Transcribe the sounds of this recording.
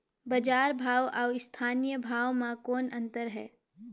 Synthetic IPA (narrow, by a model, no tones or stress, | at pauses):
bɐd͡ʒaːɾbʱaːʋaːɪst̪ʰaːnijəbʱaːʋmãkoːnɐ̃nt̪əɾɦɛ̰ː